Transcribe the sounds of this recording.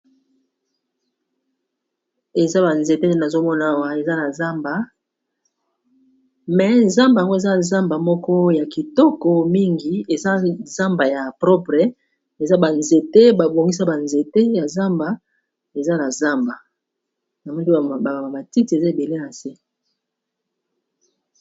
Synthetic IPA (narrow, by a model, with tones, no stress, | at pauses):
e˨za˦ba˨nze˨te˦n˨˦na˨zo˦mɔ˦na˨wa˨e˨za˦na˨za˦mba˨ | mɛ˨˦za˦mba˨a˨ŋɡo˦e˨za˦˨za˦mba˨mɔ˦kɔ˦ja˨ki˨tɔ˦kɔ˨mi˦ŋɡi˨e˨za˦za˦mba˨ja˨pʁɔ˦pʁɛ˦ | e˨za˦ba˨nze˨te˦ba˨bo˨ŋɡi˦sa˦ba˨nze˨te˦ja˨za˦mba˨ | e˨za˦na˨za˦mba˨ | na˨mɔ˦i˦˨a˨a˨ba˨ti˦ti˨e˨za˦e˨be˨le˦na˨se˦